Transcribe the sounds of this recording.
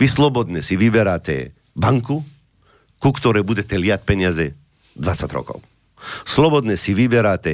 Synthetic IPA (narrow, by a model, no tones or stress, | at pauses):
ʋislɔbɔd̪nɛsiʋibɛɾaːt̪ɛ̰ | baŋku | kukt̪ɔɾɛbud̪ʲɛt̪ɛljat̪̚pɛɲazɛ | d̪vʋat̪sat̪ʲɾɔ̰kɔ̰w | slɔbɔd̪nɛsiʋibɛɾaːt̪ɛ